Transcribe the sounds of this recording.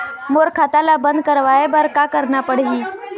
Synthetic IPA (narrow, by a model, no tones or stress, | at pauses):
moɾkʰat̪alabənd̪̚kəɾʋaebəɾkakəɾnapəɽɦiː